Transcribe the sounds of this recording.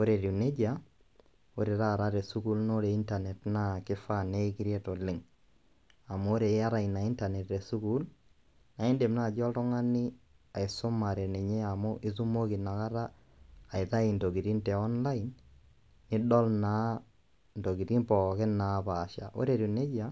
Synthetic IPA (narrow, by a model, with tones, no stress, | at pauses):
o˦ɾe˨ɾi˨ne˦d͡ʒa˦ | o˦ɾe˨ɾa˦˨ɾa˦ɾe˨su˦ku˦lno˦ɾe˨i˦nta˨nɛ˨tna˦kɪ˦fa˦ne˦kɪ˦ɾje˦to˨lɪ˦ŋ | a˨mʊ˦o˦ɾe˨˦a˦ɾa˦ina˨i˦nta˨nɛ˨tɾe˨su˦ku˦l | na˨i˦nde˨mna˦˨d͡ʒɔ˦ltɔ˦ŋa˦nɪ˦ | a˨ɪ˨sʊ˦ma˨ɾɛ˨nɛ˨ɲe˦a˨mʊ˦ʔɪ˦su˦mo˦ki˨na˨ka˦ɾaː˦˨ | ɪ˨ta˦i˨ndo˨ɡi˨ɾi˦ntɛ˨ɔ˦nla˦ɪ˨nː | ɪ˦dɔ˦lna˦ | ndo˨ɡi˨ɾi˦npɔ˨kɪ˦na˨paː˨ʃa̰˨ʔo̰˦ɾe˨ɾi˨ne˦d͡ʒa˦